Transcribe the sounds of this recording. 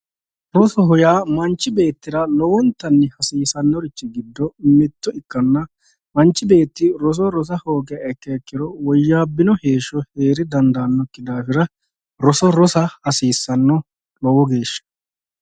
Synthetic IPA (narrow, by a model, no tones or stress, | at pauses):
ɾɔsɔɦɔjaːmɐnt͡ʃːɪbe̞ːt̪ːɪɾɐlɔwɔnt̪ːɐnːɪhɐsiːsɐnːɔɾɪt͡ʃːɪɡɪd̪ːɔmɛt̪ːɔɪkːɐnːɐ | mɐnt͡ʃːɪbe̞ːt̪ːɪɾɔs̬ɔɾɔs̬ɐhoːɡɛɐɛkːɐɛkːɪɾɔwɔjːaːbːɪnɔheːʃɔhe̞ːɾɪd̪ɐnd̪ɐːnːɔkːɪd̪aːfɪɾɐ | ɾɔsɔɾɔsɐhɐsiːsːɐnːɔ | lɔwɔɡe̞ːʃːɐ̥